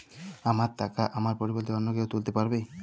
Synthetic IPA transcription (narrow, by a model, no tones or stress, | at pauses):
amaɾt̪akaʔamaɾpɔɾibɔɾt̪iɔnːokewt̪ult̪epaɾbe